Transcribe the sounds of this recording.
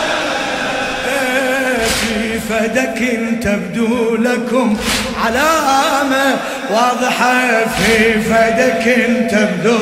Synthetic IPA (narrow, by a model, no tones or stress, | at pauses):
a | fi | fad̪akmt̪abd̪uːlakʊm | ʕalaːma | wɑːðˤɨħɑfiːfad̪akɪnt̪abd̪u